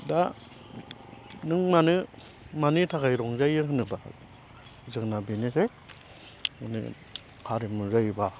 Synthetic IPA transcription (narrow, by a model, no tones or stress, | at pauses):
da | nɯŋmanɯ | manitʰakajɾɔŋzajɯɦɯnɯba̰ | zɯŋnabinise | unḭ | kʰaɾimɯzajba